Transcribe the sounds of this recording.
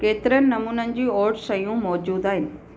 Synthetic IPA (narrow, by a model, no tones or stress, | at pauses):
keːt̪ɪɾənɪ̆nɐmuːnənɪ̆d͡ʑiːɔːɾɖsɐjũmɔːd͡ʑuːd̪aːɦɪnɪ̆